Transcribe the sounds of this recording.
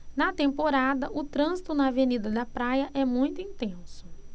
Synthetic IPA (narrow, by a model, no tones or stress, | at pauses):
nɐt̪ẽmpoɾad̪ɐʔʊt̪ɾɐ̃zit̪ʊnɐavenid̪ɐd̪ɐpɾajɐʔɛmũj̃t̪ʊĩnt̪ẽsʊ̥